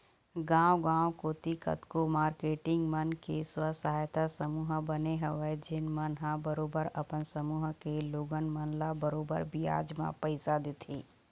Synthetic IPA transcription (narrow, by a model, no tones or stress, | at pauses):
ɡãːwɡãːwkoːt̪ikə̰t̪komaːɾkeːʈɪ̃ŋɡmənkeswəsaːjt̪asəmuːɦbəneɦəʋed͡ʒɪnmənɦãbəɾoːbəɾɐpənsəmuːɦkeloːɡənmənlabəɾoːbə̰ɾbia̰ːd͡ʒmã̰pəɪsad̪eːt̪ʰeː